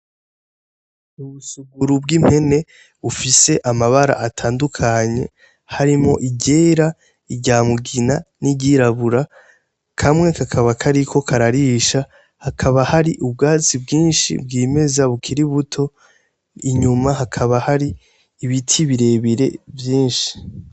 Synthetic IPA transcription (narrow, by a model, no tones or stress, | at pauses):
uβusuɡuɾubɡim̥he̞ne̞ | βufise̞ʔamaβaɾa̰ʔatʰaːndukʰaɲe̞̰ | haɾimo̞̰ʔiɟe̞ːɾa | iɟaːmuɡinaniɟiɾaβuɾa | kʰamŋe̞kakʰaβakʰaɾikʰo̞kʰaɾaɾiːʃa | hakʰaβahaɾiʔubɡaːt͡sibɡiːnʃḭbɡiːme̞zaβukʰiɾiβutʰo̞ | iɲumaɦakʰaβahaɾiː | βitʰiβiɾe̞βiɾe̞̰vjiːnʃi̥